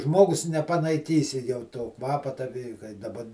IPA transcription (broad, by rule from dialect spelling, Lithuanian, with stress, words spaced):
ˈʒmoːɡʊs nʲɛpɐnɐɪˈkʲiːsʲɪ jɛʊ toː ˈkʋɑːpɐ tɐ ʋʲɪ kɐɪ dɐˈbɐ